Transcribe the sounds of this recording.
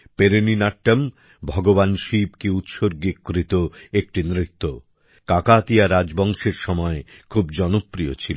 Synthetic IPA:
peɾeninaʈːam | bʱɔɡobanʃib̚keut̪ʃoɾɡikkɾit̪oek̚ʈinɾit̪ːo | kakat̪ijaɾad͡ʑbɔŋʃeɾʃɔmɔekʰubd͡ʑɔnopːɾijo̰t͡ɕʰil

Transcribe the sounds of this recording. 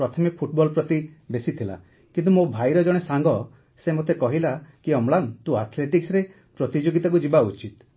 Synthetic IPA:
ɾɔt̪ʰɔmipʰuʈbɔlpɾɔt̪ibesit̪ʰila̰ | kint̪umobʱajɾɔd͡ʒɔɽ̃esaŋɡɔ | semot̪ekɔɦilakiɔmlant̪ũaɾt̪ʰleʈiksɾe | pɾɔt̪id͡ʒoɡit̪ak̬ud͡ʒibaut͡ʃit̪

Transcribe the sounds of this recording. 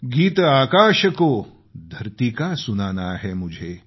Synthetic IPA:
ɡiːt̪aːkaːɕəkoː | d̪ʱɐɾt̪ikasunaːnaːɦemud͡ʒʱe

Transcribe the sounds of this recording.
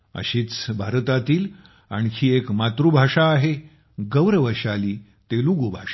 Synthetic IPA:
ə̰ɕiːt͡sbʱaɾt̪at̪iːl | a̰ɳkʰiːekmat̪ɾubʱaʂaːɦe | ɡəʋɾəʋəɕaliː | t̪eluɡobʱaʂa

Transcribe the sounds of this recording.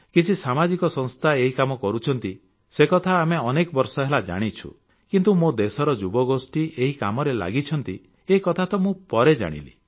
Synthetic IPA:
kit͡ʃʰisamad͡ʒikɔsɔŋst̪ʰaeɦikamɔkɔɾut͡ʃʰɔnt̪i | sekɔt̪ʰaːmeɔnekɔbɔɾsɔɦelad͡ʒa̰ɽ̃it͡ʃʰṵ | kint̪umod̪esɔɾɔd͡ʒubɔɡosʈiʔeɦika̰mɔɾela̰ɡit͡ʃʰɔnt̪i | eikɔt̪ʰat̪ɔmũpɔɾed͡ʒa̰ɽ̃ḭlḭ

